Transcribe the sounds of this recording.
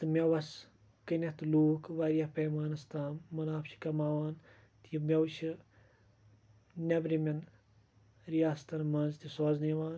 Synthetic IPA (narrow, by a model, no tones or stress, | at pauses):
t̪ɨmʲɐʋɐs | kɨnɐt̪ɨluːkʋɐɾijɐhpeːmaːnɨst̪aːmːɐnaːpʰt͡ʃʰi̥kɐmaːʋaːn | t̪jimʲɐwt͡ʃʰi | nʲɐbɾimʲɐn | ɾijaːst̪ɐnmɐnzt̪isoːzniʋaːn